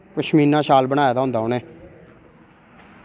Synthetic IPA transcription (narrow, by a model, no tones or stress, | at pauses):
kəʃmiːnãːʃaːlbəɽ̃aːjaːd̪aːʊ̃nd̪aːoːneː